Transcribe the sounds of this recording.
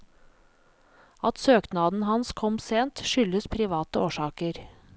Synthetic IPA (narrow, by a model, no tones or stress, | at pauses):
ɑt̪søːknɑːd̪n̩hɑnskʰɔmseːnt̪ʃʏləspʰɾɪʋɑːt̪əoːʃɑːkəɾ